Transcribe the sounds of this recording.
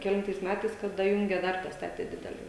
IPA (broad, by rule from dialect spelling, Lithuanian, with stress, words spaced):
kʲɛˈlʲɪntɐɪs ˈmʲætɐɪs kɐt dɐˈjʊŋʲɡʲɛ ˈdɐr dɐˈstɑːtʲeː ˈdʲɪdʲɛlʲɛ